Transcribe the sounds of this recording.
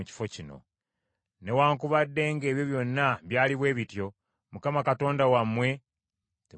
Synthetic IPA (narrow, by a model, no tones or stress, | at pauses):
uci̥fo̞cino̞̰ | ne̞waːŋkuβadːe̞ŋɡe̞ːβjo̞βjo̞nːaβjaːliβwe̞ːβitjo̞ | mukamakato̞ːndawamːwe̞ | te